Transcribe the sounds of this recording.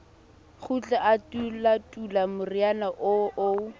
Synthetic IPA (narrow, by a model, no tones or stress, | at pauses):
χut͡ɬʼaʔatulatʼulamʊrianaʔoʔo